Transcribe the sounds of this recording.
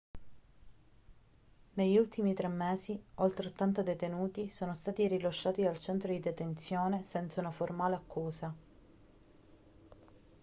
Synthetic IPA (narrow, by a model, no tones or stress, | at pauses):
neʎːult̪imit̪ɾɛmːeːziolt̪ɾeot̪ːant̪ad̪et̪enuːt̪isoːnost̪aːt̪iɾiloʃːaːt̪ialt͡ʃɛnt̪ɾod̪id̪et̪ent̪sjoːnesɛnt̪saunaformaːleakʰːuːza